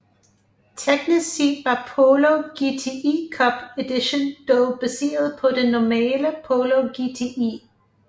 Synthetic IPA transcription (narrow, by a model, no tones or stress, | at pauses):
t͡sʰeɡ̥nisiʋɑ̈pʰoloɡ̥it͡sʰeʔikʰɒb̥ed̥iɕond̥ob̥esḛːɐðˠpʰɒ̽denɒmɛːləpʰoloɡ̥it͡sʰeʔḭː